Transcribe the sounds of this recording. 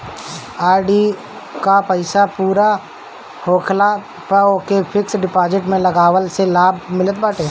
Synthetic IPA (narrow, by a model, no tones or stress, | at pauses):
aːɾɖi | kapəɪsapuːɾa | hoːkʰla | pəokepʰɪksɖɪpaːd͡ʒɪʈmẽlɐɡaːʋəlselaːbʱmɪlət̪̚baːʈeː